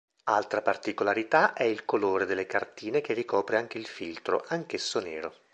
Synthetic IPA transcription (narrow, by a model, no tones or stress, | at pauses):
alt̪ɾapart̪ikolaɾit̪aʔɛilkoloːɾed̪elːekart̪iːnekevikɔːpɾeaŋk̟eilfilt̪ɾo̰ʔaŋk̟esːoneːɾo